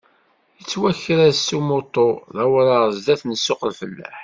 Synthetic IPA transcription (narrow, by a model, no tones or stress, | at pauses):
jət͡sːwæçːəɾæsumot̪ˤːoðæwəɾəʁzd̪æθnəsːʊqəlfəlːæ̰ħ